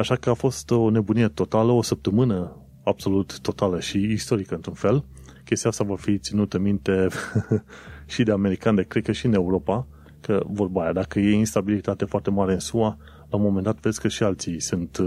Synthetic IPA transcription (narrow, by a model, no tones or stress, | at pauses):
aʃakəafo̞st̪o̞ne̞bunije̞t̪o̞t̪aləo̞səp̚t̪əmɨnə | ab̥so̞lut̪ːo̞t̪aləʃiːst̪o̞ɾikəɨnt̪ɾunfe̞l | kʲe̞st̪iast̪avafit̪sinut̪əmint̪e̞ | ʃid̪e̞ame̞ɾikand̪ekɾed̪̚kəʃiɨne̞uɾo̞pa | kəvo̞rbajad̪akəje̞inst̪abilit̪at̪e̞foart̪e̞maɾe̞ɨnsua | laumo̞me̞nd̪at̪ved̪sʲkəʃialt̪sisɨnt̪